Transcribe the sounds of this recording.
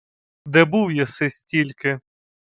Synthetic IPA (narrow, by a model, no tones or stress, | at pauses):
d̪ɛbuwjasɪsʲtʲilʲkɪ